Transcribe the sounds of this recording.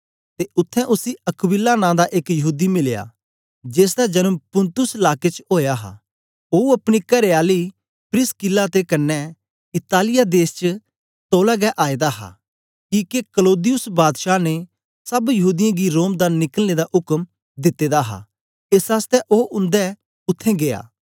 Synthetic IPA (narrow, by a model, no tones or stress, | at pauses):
t̪eʔʊt̪ʰːɛ̃ʔʊsiɐkbɪlːanãːd̪aʔekjɐɦuːd̪imɪleja̰ː | d͡ʒeːs̬d̪ad͡ʒɐnəmpʊ̃nt̪ʊslaːket͡ʃoːjaɦa̰ː | oːuɐpɽ̃ikɐɾeaːli | pɾɪskɪlat̪ekɐnːɛ | ɪt̪aːlɪjad̪eːst͡ʃə | t̪oːlaɡɛʔaːid̪aɦa̰ | kiːkekəloːd̪ɪjʊsbaːd̪ʃane | sɐbjɐɦuːd̪ɪjãɡiɾoːmd̪anɪkəlned̪aʔʊkəm | d̪ɪt̪ːeːd̪aɦa̰ | esaːst̪ɛʔoːʔʊ̃nd̪ɛ | ʊt̪ʰːẽɡea̰ː